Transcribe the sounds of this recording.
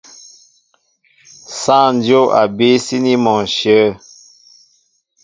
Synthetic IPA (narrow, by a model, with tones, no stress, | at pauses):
sã˦˨n˦djo˦a̰˨be˦si˦ni˦mɔ˨ʃə˨˦